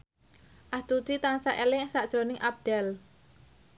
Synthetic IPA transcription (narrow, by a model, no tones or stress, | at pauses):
ʔast̪ut̪it̪aŋsaʔelɪŋsaʔd̥ʒ̥ɾonɪŋʔab̚d̥ɛl